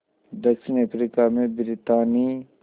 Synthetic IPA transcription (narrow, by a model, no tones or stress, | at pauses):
d̪ɐkʃɪnəpɾikamẽbɪɾɪt̪aːni